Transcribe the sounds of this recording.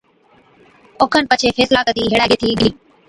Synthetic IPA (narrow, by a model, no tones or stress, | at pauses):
okʰənpət͡ʃʰeːfeːslaːkəd̪iːɦeɽaːɡeːt̪ʰiːd̪iː